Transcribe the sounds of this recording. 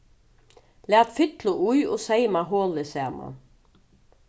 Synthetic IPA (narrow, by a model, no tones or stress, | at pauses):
læːt̪fɪt̪lʊʔujɔsɛjmaɦoːlɪsɛːma̰n